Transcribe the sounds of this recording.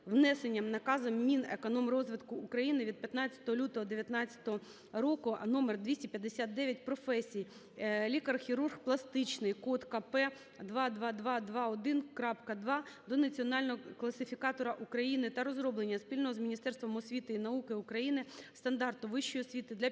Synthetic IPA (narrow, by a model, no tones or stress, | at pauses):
ʋnɛsenʲːɐmnɐkɑzɐmmʲinekɔnɔmrɔzʋɪt̪kʊːkɾɐjinɪʋʲid̪̚pʲjɐt̪nɑt͡sʲɐ̥t̪ɔɦɔlʲut̪ɔɦɔd̪eʋʲjɐt̪nɑt͡sʲːɐ̥t̪ɔɦɔ | ɾɔkʊnɔmerd̪ʋʲisʲtʲipʲjɐd̪ːesʲat̪̚d̪ɛʋʲjɐtʲpɾɔfɛsʲij | lʲikɐrxʲiɾurxplˠɐst̪ɪt͡ʃnɪjkɔt̪kɐpɛ | d̪ʋɑd̪ʋɑd̪ʋɑd̪ʋɑɔd̪ɪnkɾɑpkɐd̪ʋɑd̪ɔnɐt͡sʲiɔnɑlʲnɔɦɔklˠɐsɪfʲikɑt̪ɔɾɐʔukɾɐjinɪt̪ɐɾɔzɾɔblˠenʲːɐspʲilʲnɔɦɔzmʲinʲist̪ɛrst̪ʋɔmɔsʲʋʲit̪ɪinɐukɪukɾɐjinɪst̪ɐnd̪ɑrt̪ʊʋɪʃt͡ʃːɔjɔsʲʋʲit̪ɪd̪lʲɐ